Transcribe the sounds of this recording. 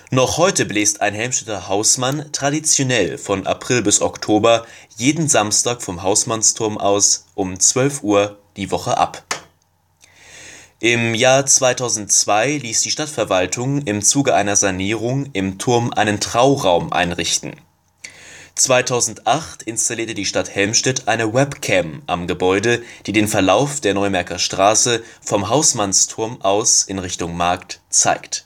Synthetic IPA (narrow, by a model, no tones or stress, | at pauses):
nɔχhɔʏtəblɛːstʔa̰ɪnɦɛlmʃtɛtɐhaʊsmantʁ̥adit͡sjonɛlfɔnʔa̰pʁ̥ɪlbɪsɔktʰoːbɐjeːdn̩zamstaːkfɔmɦaʊsmanstʰʊɐmʔa̰ʊsʔʊmt͡sv̥œlfʔuːɐd̥iːvɔχəʔa̰p | ʔɪmjaːɐt͡sv̥aɪtʰaʊzn̩tt͡sv̥aɪliːsd̥iːʃtatfɛɐvaltʰʊŋɪmt͡suːɡəʔaɪnɐzaniːʁ̞ʊŋʔɪmtʰʊɐmʔa̰ɪnəntʁ̥aʊʁaʊmʔa̰ɪnʁɪçtn̩ | t͡sv̥aɪtʰaʊzn̩tʔaχtɪnstaliːɐtədiːʃtathɛlmʃtɛtʰʔaɪnəwɛpkʰɛmʔa̰mɡəbɔʏdəd̥iːdeːnfɛɐlaʊfd̥eːɐnɔʏmɛɐkɐʃtʁ̥aːsə | fɔmɦaʊsmanstʰʊɐmʔaʊsʔɪnʁɪçtʊŋmaɐktt͡sa̰ɪkt